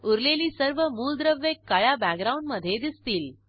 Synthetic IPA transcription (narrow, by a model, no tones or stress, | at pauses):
uɾleliːsəɾʋəmuːld̪ɾəʋːekːaɭjabækɡɾauɳɖməd̪ʱjed̪ist̪iːl